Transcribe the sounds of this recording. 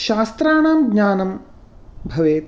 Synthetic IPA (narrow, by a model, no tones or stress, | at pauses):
ʃaːst̪ɾaːɳaːmɡɲaːnɐm | bʱɐʋeːt̪